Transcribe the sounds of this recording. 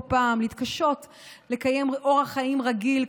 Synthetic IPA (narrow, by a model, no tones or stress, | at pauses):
paːmleit̪kaʃo̞t | le̞kaje̞mʔo̞ʁhaχaimʁaɡil